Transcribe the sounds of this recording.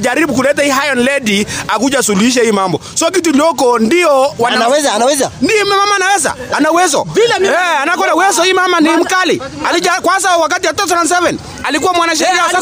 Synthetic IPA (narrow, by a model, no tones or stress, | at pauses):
d͡ʒaɾibuk̬ulɛt̬ahiɦajɔnlɛdiakud͡ʒasuluiʃ̬ahiːmambɔ̰sɔk̬it̬ud͡ʒɔkɔndiɔwanaawɛzaawɛzandiɔmɛmamaːnawɛza̰anawɛzɔ̰ɛanak̬ɔnawɛzɔiimamanim̩kalialid͡ʒakwas̬awak̬atiwatɔθanans̬ɛvɛn | alik̬uwamwanaʃ̬ɛɾiasa